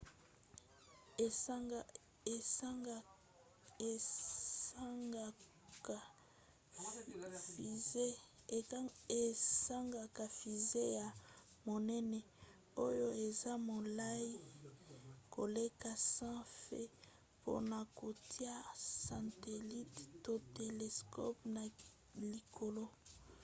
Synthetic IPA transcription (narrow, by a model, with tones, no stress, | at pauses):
e˨sa˦ŋɡa˨ka˨fi˨ze˦ja˨ | mo˨nɛ˦nɛ˨ | o˦jo˦e˨za˦mo˨la˦i˦ | ko˨le˦ka˨sã˦fḛ˦ | pʰo̰˦na˨ko˨tʰi˦a˦sã˨te˨li˦tto˦te˨le˨skʰɔ̰˦p̚na˨ | li˨kʰo˨lo˦